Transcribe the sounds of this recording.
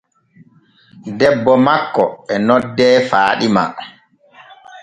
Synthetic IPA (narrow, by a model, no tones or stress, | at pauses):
dɛbːɔmakːɔɛnɔdːɛːfaːɗima̰